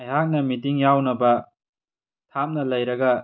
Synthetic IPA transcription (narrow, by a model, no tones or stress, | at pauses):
ɐjɦak̚nɐmit̬iŋjawnɐbɐ | tʰamnɐlɐjɾɐɡɐ